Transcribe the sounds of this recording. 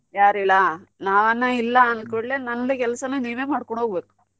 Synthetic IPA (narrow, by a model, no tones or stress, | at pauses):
jaːɾilːɐnaːʋɐnːɐilːɐːnkoɭːenɐlːikɛlsɐnuːniːʋeːmaːɽkoɳɖɦoːɡbeːku̥